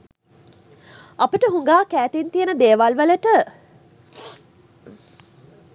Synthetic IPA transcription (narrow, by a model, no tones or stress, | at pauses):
apəʈəɦuŋɡaːkæːt̪int̪ijənəd̪eːʋalʋələʈə